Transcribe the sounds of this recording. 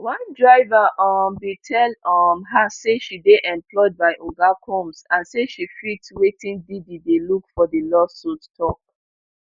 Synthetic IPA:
wãndɹaɪvaʔɔmbitʰɛlɔmɦaseʃideʔɛ̃mplɔɪd̚baɪʔoɡakʰɔ̃msãnseʃifitwetʰĩŋdididelukfɔdəlɔsɔttʰɔk̚

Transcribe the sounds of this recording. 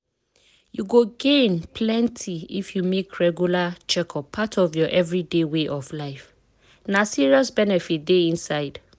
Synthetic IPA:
juɡoɡẽnpʰlɛ̃ntʰiḭfjumekʰɹɛɡjulat͡ʃɛkʰɔpʰatʰɔvjɔʔɛvɹideweʔɔvlaɪf | nasiɹiɔsbɛnɛfit̚deĩnsaɪd̥

